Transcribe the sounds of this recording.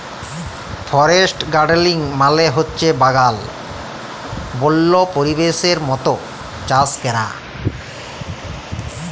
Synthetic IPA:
fʰɔɾesʈɡaɖliŋmaleɦotːɕʰebaɡal | bolːopoɾibeʃeɾmɔt̪o | t͡ɕaskɛɾa̰

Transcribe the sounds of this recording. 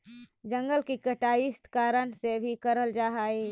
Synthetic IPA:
d͡ʒə̃ŋɡəlkikəʈaːist̪kaːɾənsebʱikəɾəld͡ʒaɦai

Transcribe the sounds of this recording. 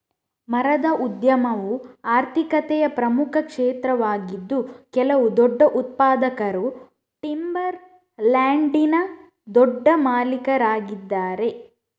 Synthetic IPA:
mɐɾɐd̪ɐʔud̪jɐmɐʋuaːɾt̪ʰikɐt̪ɛjɐpɾɐmukʰɐkʂeːt̪ɾɐʋaːɡid̪ːukɛlɐʋud̪ɔɖːɐʔut̪̚paːd̪ɐkɐɾu | ʈimbɐɾ | laːɳɖinɐ | d̪ɔɖːɐmaːlikɐɾaːɡid̪ːaːɾe̞

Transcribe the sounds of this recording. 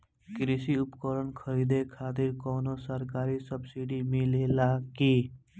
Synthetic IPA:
kɾisiʊpkəɾənkʰəɾid̪ekʰaːt̪̬ɪɾkɔːnosəɾkaːɾisəbsiɖimelelaki

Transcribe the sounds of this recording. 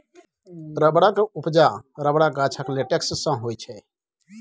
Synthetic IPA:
ɾəbɽakeupd͡ʒaɾəbɽaɡat͡ʃʰakleʈeksːə̃ɦojt͡ʃʰɛ

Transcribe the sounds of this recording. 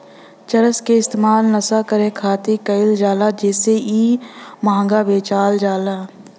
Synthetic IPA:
t͡ʃəɾəskeɪst̪eːmaːlnəsakəɾẽkʰaːt̪ikɐɪld͡ʒaːlad͡ʒeːseiːmãːŋɡabeːt͡ʃaːld͡ʒaːlaː

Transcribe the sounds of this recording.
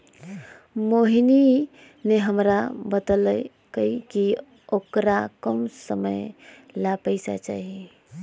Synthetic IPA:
moɦini | neɦəmɾabət̪lə | kəiki | okɾakəmsəməj | lapəɪsa̰t͡ʃa̰ɦi

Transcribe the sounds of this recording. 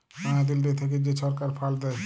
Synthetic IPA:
aŋad̪eld̪et̪ʰek̬ed͡ʑeʃɔɾkaɾpʰald̪ɛe

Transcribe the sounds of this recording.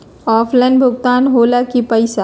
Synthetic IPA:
ɔːpʰlanbʱʊɡt̪aːnɦoːlakipəɪsa

